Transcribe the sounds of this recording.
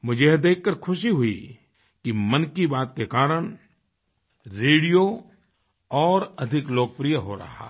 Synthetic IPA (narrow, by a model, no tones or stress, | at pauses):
mʊd͡ʒʱed̪eːkʰːəɾkʰʊʃiɦʊi | kimɐ̃nkibaːt̪̚kekaːɾəɽ̃ | ɾeːɽijo | ɔːɾɐd̪ʱɪkloːk̚pɾijəɦoɾɐ̰ɦa̰ː